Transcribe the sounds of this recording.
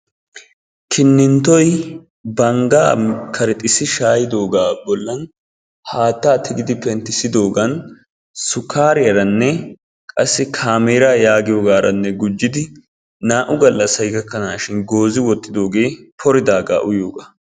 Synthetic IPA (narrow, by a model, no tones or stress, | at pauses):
kʰɪnːɪnt̪ɔj | bɐŋɡaːkʰɐɾɪt̪ʼɪsɪʃaːjɪd̪o̞ːɡaːbɔlːɐn | haːt̪ːaːt̪ʰɪɡɪd̪ɪpɛnt̪ɪsɪd̪o̞ːɡɐn | sʊkaːɾɪjɐɾɐnːɛ | kʼɐsːɪkʰaːmeːɾaːjaːɡɪjoːɡaːɾʔɐnːɛɡʊd͡ʒːɪd̪ɪ | naːʔʊɡɐlːɐsɐjɡɐkːɐnaːʃɪnɡo̞ːzɪwɔt̪ːɪd̪o̞ːɡe̞ːpʰɔɾɪd̪aːɡa̰ːʔʊjo̞ːɡaː